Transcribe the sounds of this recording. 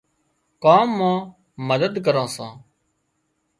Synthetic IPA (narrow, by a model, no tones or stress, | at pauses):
kaːmːãː | məd̪əd̪k̬əɾãːsã̰ː